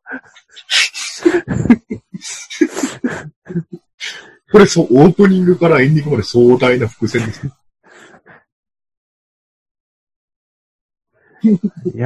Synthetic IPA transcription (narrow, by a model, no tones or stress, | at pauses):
ko̞ɾe̞soʔoːpɯ̟ɲ̟ĩŋɡɯ̟kaɾaẽ̞ɲ̟d̪ʲĩŋɡɯmad̪e̞soːd̪ainaɸɯ̟̥kɯ̟sẽ̞nd̪e̞sɨ̥ne